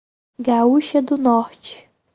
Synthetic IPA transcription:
ɡauʃɐd̪ʊnɔɾt͡ʃɪ̥

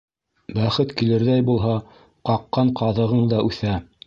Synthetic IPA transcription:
bæχɘt̪kilɘ̆ɾðæjbulˠɦɑ | qɑqːɑɴqɑðɤ̆ʁɤɴd̪ɑʔʉθæ

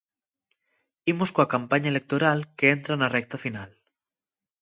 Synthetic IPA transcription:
imoskoakampaɲaelek̚t̪oɾalkeent̪ɾanarɛk̚t̪afinal

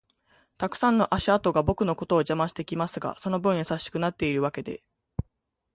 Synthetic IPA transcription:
t̪akɯ̟̥sãnːo̞ʔaɕiat̪o̞ɡabo̞kɯ̟no̞ko̞t̪o̞ːʑamãɕi̥t̪e̞kʲimasɨɡa̰so̞no̞bɯ̟̃ɰ̃jisaɕːi̥kɯ̟nat̪ːe̞iɾɯ̟βake̞d̪e̞̰

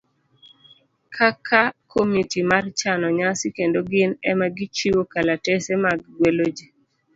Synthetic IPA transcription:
kʰakʰakomitimart͡ʃanɔɲasikendoɡɪnɛmaɡɪt͡ʃiwokalatesemaɡɡwelod͡ʒe

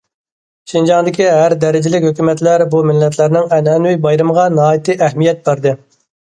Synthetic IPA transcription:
ʃind͡ʒɑŋd̪ɪkʲiɦæɾd̪ɛɾɪd͡ʒɪlɪkʲhøkʲymɛt̪læɾbumɪlːɛt̪læɾnɪŋɛnɛnwujbɑjɾɨmʁɑnɑɦɑːjit̪ɨʔæhmijɛt̪̚bæɾd̪ɨ

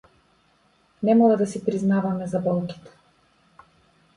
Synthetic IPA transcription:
nɛmɔlˠad̪asipɾiznavamɛzabɔlˠki̥t̪ɛ̥

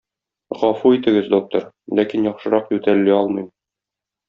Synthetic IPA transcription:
ʁɒfuit̪ɘ̆ɡɘzd̪ok̚t̪ŏɾ | lækinjɒχʃɤ̆ɾɑqjʉt̪ælːiɒlˠmɤjm

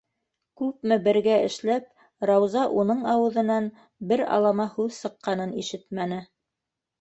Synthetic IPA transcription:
kʉp̚mɘbɘ̆ɾɡæɘ̆ʃlæp̚ | ɾɑwzɑʔunɤɴɑwɤ̆ðɤ̆nɑn | bɘɾɑ̰lˠɑmɑhʉðsɤ̆qːɑnɤniʃɘt̪mænɘ

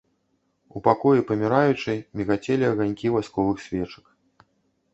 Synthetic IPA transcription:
upakɔjipɐmʲiɾajut͡ʂɐjmʲiɣat͡sʲɛlʲiɐɣanʲkʲivajskɔvɨxsʲvʲɛt͡ʂɐ̥k

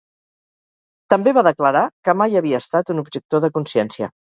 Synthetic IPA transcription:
t̪əmbeβaðəkləɾakəmajəβiəːst̪at̪unubʒək̚t̪oðəkunsɛnsiə̰

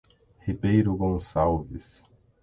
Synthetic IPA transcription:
hibejɾʊɡõsawvis

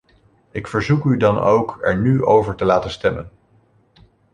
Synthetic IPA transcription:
ɪkfəɹzukydɑno̰wkɛ̰ɹnyʔowvəɹtəlaːtənstɛmə̰n

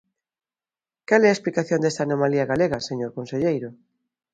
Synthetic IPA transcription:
kalɛɐesplikaθjond̪est̪anomaliɐɣaleɣɐseɲoɾkonseʎejɾʊ

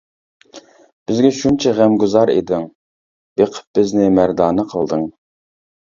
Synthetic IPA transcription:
b̥ɪzɡʲɛʃunt͡ʃʰɛʁæmɡuzɑɾḛd̪ɪŋ | b̥eqʰə̥p̚bɪznɪmæɾd̪ɑːnɨqʰəlˠd̪ɨŋ

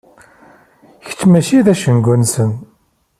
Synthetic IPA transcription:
çə̥t͡sːmæʃiðæʃənɡʷunsən

